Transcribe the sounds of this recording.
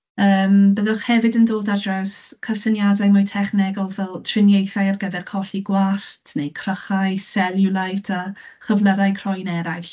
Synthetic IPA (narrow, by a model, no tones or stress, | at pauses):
əːmbəðʊχhɛvɨdəndoːlˠdadrawskʰəsənjadajmʊjtʰɛχnɪɡɔlˠvɛlˠtʰrɪnjejθajarɡəvɛrkʰɔɬiɡwaɬtʰnejkʰrəχajsɛlˠjʊlˠajtʰaχəvləɾajkʰrɔjnɛɾajɬ